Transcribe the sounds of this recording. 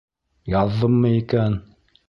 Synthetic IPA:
jɑðːɤmːɤikæn

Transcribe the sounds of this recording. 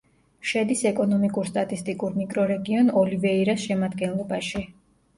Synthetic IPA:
ʃɛd̪isɛkʼɔnɔmikʼuɾst̪ʼat̪ʼist̪ʼikʼuɾmikʼɾɔɾɛɡiɔnɔlivɛiɾasʃɛmad̪ɡɛnlˠɔbaʃi

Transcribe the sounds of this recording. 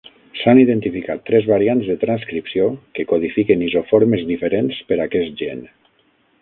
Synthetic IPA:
saniðent̪ifikat̪ːɾɛzβaɾianzðət̪ɾanskɾipsiokekoðifikenizofoɾməzðifəɾenspəɾakɛst̪ʒḛn

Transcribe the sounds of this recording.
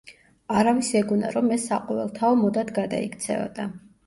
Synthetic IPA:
aɾavisɛɡuna̰ɾɔmɛsːaqʼɔvɛlˠt̪ʰaɔmɔd̪ad̪ɡad̪a̰ikʰt̪sʰɛ̰vɔ̰d̪a

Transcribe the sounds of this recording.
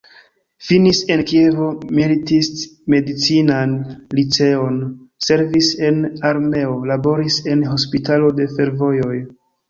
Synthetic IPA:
finise̞nkievo̞militisme̞dit͡sinanlit͡se̞o̞nse̞ɾvise̞naɾme̞o̞labo̞ɾise̞nɦo̞spitalo̞de̞fe̞ɾvo̞jo̞j

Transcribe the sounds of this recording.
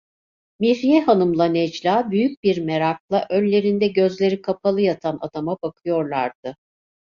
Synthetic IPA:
miɾijɛɦanɯmlˠanɛd͡ʒlʲaːbyjyc̚biɾme̞ɾak̚lˠaʔønlʲe̞ɾind̪ɛɟø̞zlʲe̞ɾikʰapʰalˠɯjat̪ʰana̰d̪amabakʰɯjo̞ɾlˠaɾd̪̥ɯ

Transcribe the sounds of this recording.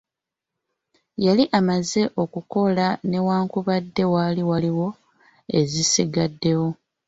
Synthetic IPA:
jaliʔamaze̞ʔo̞kuko̞lane̞waːŋkuβadːe̞waːliwaliwo̞ | e̞zisiɡadːe̞wo̞

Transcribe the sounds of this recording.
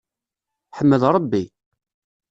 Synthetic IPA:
ħəmːəðɾˤəbːi

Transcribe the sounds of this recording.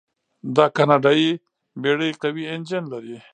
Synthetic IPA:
d̪akanaɖai | beɽəjqawiend͡ʒenlaɾi

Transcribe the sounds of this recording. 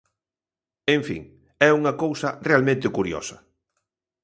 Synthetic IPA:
ẽɱfḭŋ | ɛuŋɐkowsɐrealmẽnt̪ɪkuɾjɔ̰sɐ

